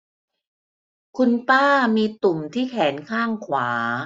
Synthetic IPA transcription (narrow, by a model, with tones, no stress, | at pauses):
kʰu˧npaː˥˩miː˧t̪u˨˩mt̪ʰiː˥˩kʰɛː˩˦nkʰaː˥˩ŋkʰwaː˩˦